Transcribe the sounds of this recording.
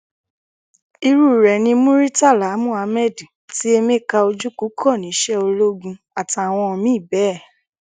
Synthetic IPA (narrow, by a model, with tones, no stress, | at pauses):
i˧ɾu˦˨ɾɛ˨nĩ˧mũ˦ɾi˦ta˦˨la˨˦mũ˦˨a˧mɛ˦˨dĩ˨ti˦e˧me˦˨ka˧o˧d͡ʒu˦ku˨˦kʰɔ˦˨nĩ˨˦ʃɛ˦o˧lo˦ɡũ˧ | a˨ta˨a˨w̃ɔ̃˧ɔ˧mĩ˦˨bɛ˨˦˨